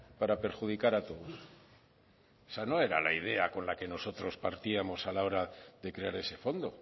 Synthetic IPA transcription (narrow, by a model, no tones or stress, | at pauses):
paɾape̞ɾxuðikaɾat̪o̞ðos | sano̞e̞ɾa̰laiðe̞ako̞nlake̞no̞so̞t̪ɾo̞spaɾt̪iamo̞salao̞ɾaðe̞kɾe̞aɾe̞se̞fo̞nd̪o̞